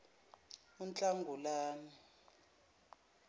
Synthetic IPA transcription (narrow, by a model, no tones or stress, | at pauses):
unt͡ɬʼaŋɡʱulaːni